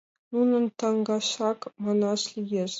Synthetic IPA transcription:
nunɤ̆nt̪ɑŋɡɑɕɑkmɑnɑʂlʲijeʂ

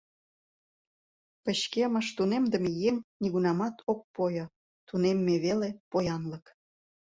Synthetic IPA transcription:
pəɕkeməʃt̪unemd̪ə̆mejeŋniɣunɑmɑt̪ʰok̚pojŏ | t̪unemːeβelepojɑnlək

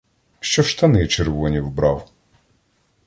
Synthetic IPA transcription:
ʃt͡ʃɔʃt̪ɐnɪt͡ʃerʋɔnʲiwbɾɑw

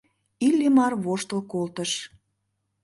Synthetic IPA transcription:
ilʲːimɑrβoʃt̪əlkolt̪əʃ

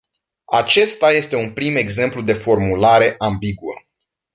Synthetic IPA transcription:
at͡ʃe̞st̪aje̞st̪e̞unpɾime̞ɡze̞mplud̪e̞fo̞rmulaɾe̞ʔambiɡuə̰

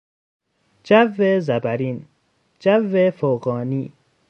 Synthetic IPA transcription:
d͡ʒævːezæbæɾiːn | d͡ʒævːefoɣɔːniː

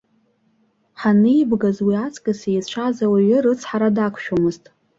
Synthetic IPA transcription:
ħanɨibɡazwiat͡sʰʼkʼɨsejt͡ʃʷʰazawaɥɪrɨt͡sʰħaɾadakʷʰʃomɨztʼ

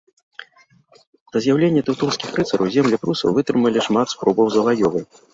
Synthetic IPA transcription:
d̪̥ɐzʲjawlʲenʲːɐt̪ɨwt̪unskʲixrɨt̪sɐɾɐwzʲemlʲɛpɾusɐ̰wvɨt̪ɾɨmɐlʲiʂmat̪spɾɔbɐwzɐlˠajɔvɨ

